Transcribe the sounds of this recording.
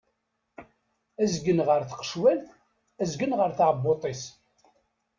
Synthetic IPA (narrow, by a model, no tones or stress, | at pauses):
æzɡənʁəɾθə̥qə̥ʃwæl | æzɡənʁəɾθʕəbːot̪ˤes